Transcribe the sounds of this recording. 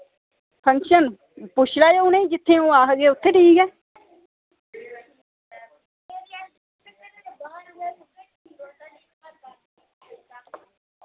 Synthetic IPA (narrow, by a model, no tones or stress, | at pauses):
pʰəŋkʃən | pʊʃlaːjeːʊnẽːid͡ʒɪt̪ʰːẽːũːaːɦɡeːʊt̪ʰːeːʈʰiːkɛː